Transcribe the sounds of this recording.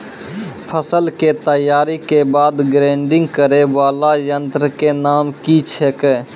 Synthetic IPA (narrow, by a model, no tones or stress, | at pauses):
pʰəsəlket̪əjaːɾikebaːd̪ɡɾẽːɳɖɪ̃ŋɡkəɾeʋaːlajənt̪ɾəkenaːmkit͡ʃʰekɛ